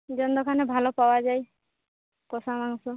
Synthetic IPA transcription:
d͡ʒɔnd̪ɔkʰanebʱalɔpawad͡ʒaj | kɔsamaŋsɔ

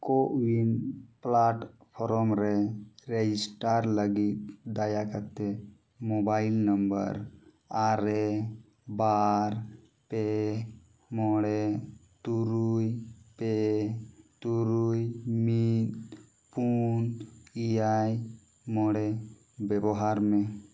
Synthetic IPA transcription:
koʔwinplaʈpʰɔɾɔmɾeɾed͡ʒisʈaɾləɡit̪̚d̪ajakat̪ːe | mobailnəmbə̰ɾ | aɾe | baɾ | pe | mɔɽet̪uɾujpe | t̪uɾujmit̪ | punijaj | mɔɽe | bebɔɦaɾme

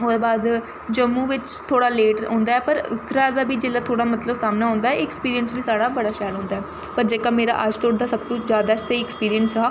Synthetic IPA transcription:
ʊd̪aːbaːd̪ | d͡ʒəmːũːʋɪt͡ʃt̪ʰoːɽaːleːʈɦõ̰ːnd̪aːɛːpəɾʊt̪ːɾaːd̪aːbiːd͡ʒeːlaːt̪ʰoːɽaːmət̪ləbsaːmnaːɦʊ̃ːnd̪aːɛɪkspiːɾijənsbiːsaːɽaːbəɽaːʃaːlɦõːnd̪aːɛː | pəɾd͡ʒeːkaːmeːɾa̰ːʔəd͡ʒt̪oːɽd̪aːsəb̚t̪ʊ̃zjaːd̪aːsaiɪkspiːɾijənsɦaː

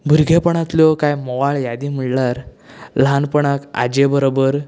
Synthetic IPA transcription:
bʱuɾɡʱepəɳ̃at̪ljɔkajmɔʋaɭjad̪im̤iɭlaɾ | ləɦanpəɳaka̰d͡ʑebəɾobəɾ

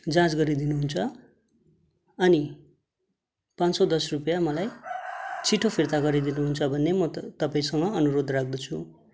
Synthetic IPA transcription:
d͡zãt͡sɡʌɾid̪inuɦunt͡sʰʌ | ʌni | pãnsod̪ʌsrupjamʌlaj | t͡sʰiʈʰopʰirt̪aɡʌɾid̪inuɦunt͡sʰʌbʱʌnːemʌt̪ʌpaĩsʌŋɡʌʌnuɾod̪rak̚ʰd̪ʌt͡sʰu

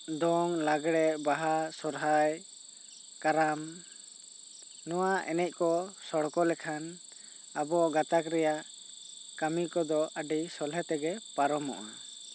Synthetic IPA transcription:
d̪ɔŋlaɡɽɛbaɦasɔɾɦaj | kaɾam | nɔwaʔɛnɛc̚ˀkɔsɔɽkɔlɛkʰan | abɔɡat̪akɾɛjaʔ | kamikɔd̪ɔʔaɖisɔlɦɛt̪ɛɡɛpaɾɔmɔ̰ʔna

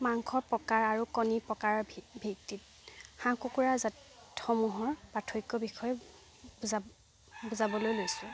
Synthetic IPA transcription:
maŋkʰɔpɔkaɹaɹukɔnipɔkaɹbʱik̚tit̚ | xãkukuɹaza | txɔmuɦɔɹbatʰojkːɔbixɔjɛ | buza | buzabɔlojlojsʊ̃

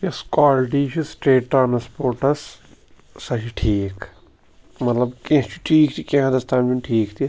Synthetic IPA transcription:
jeskaːlʈiːt͡ʃʰisʈeːʈʈːɾaːnspoːɾʈɐs | sɐt͡ʃiʈʰiːk | mɐt̪lɐbkẽt͡ʃʰiʈʰiːkt̪ʰikẽɦãd̪ɐst̪ʰaːnd͡ʒinʈʰiːkt̪ʰi

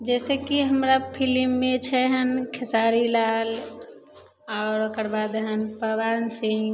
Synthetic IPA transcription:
d͡ʒɛːsekiɦəmɾapʰilimːet͡ʃʰɛɦənkʰɪsaɾilal | ɔːɾokəɾbad̪ɦənpəbansĩ

